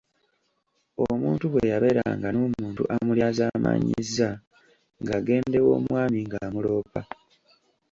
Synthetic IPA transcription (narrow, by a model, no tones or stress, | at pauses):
omuːntuβwejaβe̞ɾa̰ŋɡanoːmuːntṵʔamuljazaːma̰ɲizːa | ŋɡaɡe̞ːnde̞wo̰ːmwaːmiŋɡaːmulo̞ːpa